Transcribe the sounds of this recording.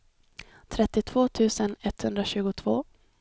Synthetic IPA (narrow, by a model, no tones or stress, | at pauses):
t̪ʰɾɛt̪ːɪt̪ʰv̥oːt̪ʰʉ̟ːsənɛt̪hɵnd̪ɾaɕʉ̟ːɡʊt̪ʰv̥o̰ː